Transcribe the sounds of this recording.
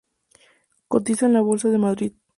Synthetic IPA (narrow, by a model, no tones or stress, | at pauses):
ko̞t̪isanlaβo̞lsað̞emaðɾið